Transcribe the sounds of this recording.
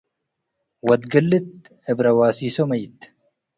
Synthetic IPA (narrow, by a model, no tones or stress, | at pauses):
wɐd̪ɡɐlːɪt̪̚ | ɪbɾɐwaːsiːsɔmɐjɪt̪ː